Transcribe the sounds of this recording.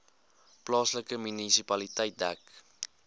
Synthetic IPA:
plɑːsləkəmynisipɐlitəjt̚dæk

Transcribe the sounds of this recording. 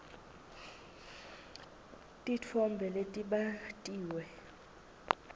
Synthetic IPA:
tʼit͡fʰɔmbʱɛletʼiɓatʼiːwɛ

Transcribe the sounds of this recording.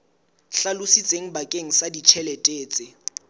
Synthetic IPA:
ɬalʊsit͡sʼeŋ̩bakʼeŋ̩sadit͡ʃʰɛlɛtʼeːt͡sʼɪ

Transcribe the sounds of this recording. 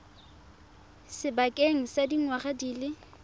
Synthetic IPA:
sɪbakʼeŋ̩sadiŋwaχadiːlɪ

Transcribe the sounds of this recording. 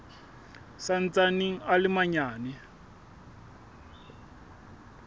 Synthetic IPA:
san̩t͡sʼaniŋ̩alɪmaɲaːnɛ

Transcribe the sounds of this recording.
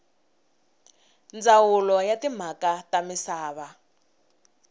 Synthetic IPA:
nd͡zawulɔjatim̤akatamisaːβa

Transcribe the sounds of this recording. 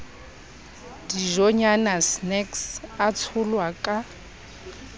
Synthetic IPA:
diʒɔɲanasnɛksat͡sʰʊlwakʼa

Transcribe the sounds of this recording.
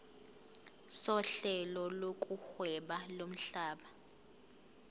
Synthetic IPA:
sɔɬɛlɔlokʼuxwɛɓalom̩ɬaːɓa

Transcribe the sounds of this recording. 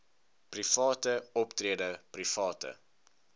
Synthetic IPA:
prifɑːtəɔptriədəprifɑːtə̰

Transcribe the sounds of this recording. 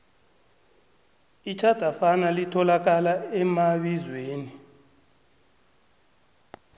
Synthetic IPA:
it͡ʃʰad̥ʱafanalitʰɔlak̬alaɛmaɓizweːni

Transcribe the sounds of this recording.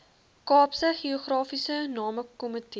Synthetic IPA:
kɑːpsəχiuχrɑːfisənɑːməkɔməti

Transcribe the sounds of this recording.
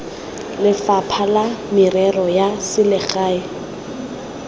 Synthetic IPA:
lɪfapʰalamɪrɛrɔjasɪlɪɣaːɪ

